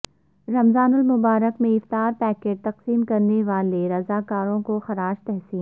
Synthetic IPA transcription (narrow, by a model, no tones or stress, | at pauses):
ɾɐmzaːnʊlmʊbaːɾəkmẽɪft̪aːɾpɛːkeːɖ̚t̪ɐqsiːmkɐɾneʋaːleɾɐzaːkaːɾõkoxɐɾaːʃt̪ɛɦsiːn